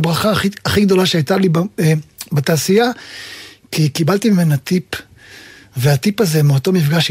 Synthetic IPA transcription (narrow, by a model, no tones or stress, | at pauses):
bʁaχaχiaχiɡd̪o̞laʃeajt̪alib | bet̪aːsija | kʰikibalt̪imime̞nhat̪ip | veat̪ipazemeot̪o̞mifɡaʃ